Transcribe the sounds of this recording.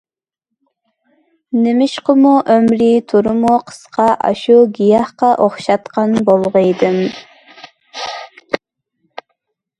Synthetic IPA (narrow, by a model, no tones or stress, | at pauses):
nɪmɪʃqəmuʔømɾit̪ʰuɾʊmuqʰə̥sqʰɑʔɑ̰ʃuɡʲijɑhqɑʔoχʃɑt̪qɑnbolˠʁəjd̪ɨm